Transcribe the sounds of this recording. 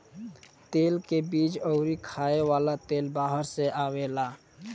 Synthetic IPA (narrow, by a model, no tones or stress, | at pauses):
t̪elkebit͡ʃɔʊɾikʰaewalat̪elbaɦəɾseʔawela